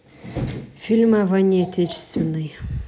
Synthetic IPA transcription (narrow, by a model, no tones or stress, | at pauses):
fʲilʲmavanʲiɐt̪ʲet͡ɕɪ̥st̪vʲɪnːɨj